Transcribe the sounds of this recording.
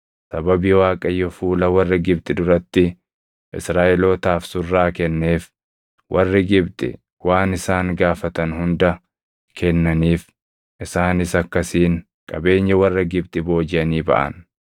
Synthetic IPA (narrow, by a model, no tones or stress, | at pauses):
sɐbɐbiːwaːkʼɐjːɔfuːlɐwɐrːɪɡɪb̚t̪ʼɪd̪ʊɾɐt̪ːɪ | ʔɪ̰sɾaːʔɛlo̞ːt̪aːfsʊrːaːkɛnːe̞ːf | wʔɐrːɪɡɪbt̪ʼɪ̰ | waːnɪsaːŋɡaːfɐt̪ɐnhʊnd̪ɐ | kʰɛnːɐniːf | ʔɪsaːnɪsɐkːɐsiːŋ | kʼɐbe̞ːɲːɐwɐrːɐɡɪb̚t̪ʼɪbo̞ːd͡ʒɪʔɐniːbɐ̰ʔɐ̰n